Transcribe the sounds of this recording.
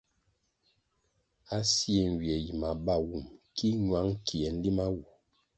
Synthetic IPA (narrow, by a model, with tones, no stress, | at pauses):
a˦si˦e˨ŋ˨wje˨ji˨ma˨ba˦˨wu˦˨mki˦ɲwa˨˦ŋ˦kʰi˨ɛ˨˦n̩˦li˦ma˦wu˨